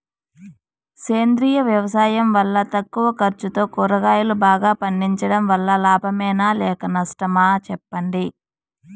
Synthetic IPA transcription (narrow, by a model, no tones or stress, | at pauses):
seːnd̪ɾiːjɐʋjɐʋɐsaːjɐmʋɐlːɐt̪ɐkːuʋɐkɐɾt͡ʃut̪o̞ːkuɾɐɡaːjulubaːɡaːpɐɳːiɲt͡ʃɐɽɐmʋɐlːɐlaːbʱɐmɛːnaːlɛːkɐnɐsʈɐmaːt͡ʃɛpːɐɳɖi